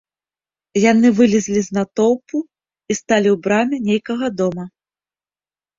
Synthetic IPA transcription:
jan̪ɨvɨlʲizʲlʲiznat̪ɔwpu | ist̪alʲiwbɾamʲɛnʲejkɐɣɐd̪ɔmɐ

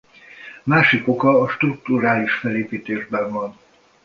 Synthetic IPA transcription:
maːʃiko̞kɒːʃt̪ruk̚t̪uɾaːliʃfɛleːpiːt̪eːʒbɛɱvɒn

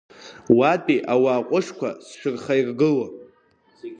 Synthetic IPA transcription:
watʼiʔawaːqʷʼʊʂkʷʰa̰sʃᶣɨrχajrɡɨla

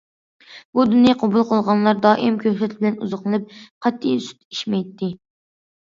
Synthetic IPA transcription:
bud̪unjiqʰobulˠqʰəlˠʁɑnlˠɑɾd̪ɑːʔimkʲʰøsɛt̪bɪlɛnuzəqlˠɨnɨp̚qʰɑt̪ʰːisy̥t̪i̥ʃmɛjt̪ʰːɪ

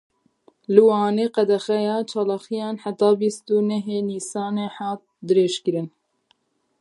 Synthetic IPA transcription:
lɨwɑːneːqɛd̪ɛxɛjɑːt͡ʃʰɑːlɑːxijɑːnħat̪ɑːbist̪uːnɛɦeːniːsɑːneːħɑːt̪̚d̪ɨɾeːʃkɨɾɨn

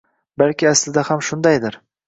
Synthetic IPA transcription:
balkʲɪaslɪd̪ahamʃʊnd̪ajd̪ɪɾ

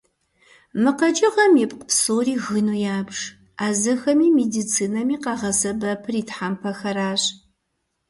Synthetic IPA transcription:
mɨqɐd͡ʒʼɪʁɐmjɛpqəpsoːriːɣɨnuːjaːbʂ | aːzɐxɐmiːmedit͡sʰiːnɐmiːqɑːʁɐsɐbɐpʰɨriːtħampʰɐxɐɾaːɕ

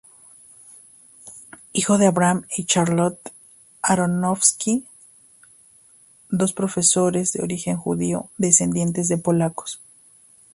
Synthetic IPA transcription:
ixo̞ðe̞aβɾamit͡ʃaɾlot̪ | aɾonofski | d̪o̞spɾofe̞so̞ɾe̞zðe̞o̰ɾixe̞ŋxṵðioðe̞se̞nd̪je̞nt̪e̞zðe̞po̞lako̥s

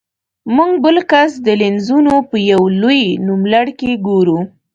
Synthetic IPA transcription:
muŋɡbəlkasd̪əlenzunopəjawlojnumlaɽkeɡoɾu

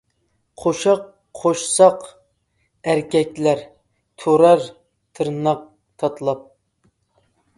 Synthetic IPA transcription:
qʰoʃɑqʰ | oʃsɑq | æɾkʲʰɛkʲlæɾ | t̪ʰoɾɑɾ | t̪ʰɨɾnɑq̚ | t̪ʰɑt̪ʰlˠɑp̚

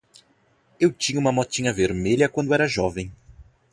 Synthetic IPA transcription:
ewt͡ʃĩɲɐũmɐmɔt͡ʃĩɲɐveɾmeʎɐkwɐ̃nd̪ʊɛɾɐʒɔvẽj̃

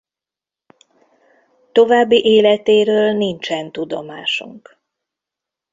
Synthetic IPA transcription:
t̪o̞vaːbːiʔeːlɛt̪eːɾøːlnint͡ʃɛnt̪ud̪o̞̰maːʃṵŋk

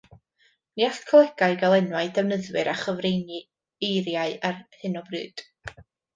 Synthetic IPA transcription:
niaɬkʰlˠɛɡ̥aɨɡalˠɛnwaɨdɛvnəðwɨɾaχəvrejni | ejɾjaɨarhɨnɔbrɨ̰ːd̥

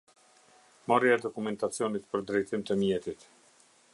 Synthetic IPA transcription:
mɔɾjaɛd̪ɔkumɛnt̪at͡sjɔnit̪pəɾd̪ɾɛjt̪imt̪əmjɛt̪it̪

